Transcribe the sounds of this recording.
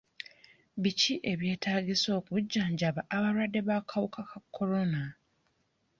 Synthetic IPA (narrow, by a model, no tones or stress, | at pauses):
βiciʔe̞βje̞ːtaːɡiso̞ːkuɟːaːɲɟaβaʔːβaɾwadːe̞βakʰawukʰakakʰːo̞ɾo̞na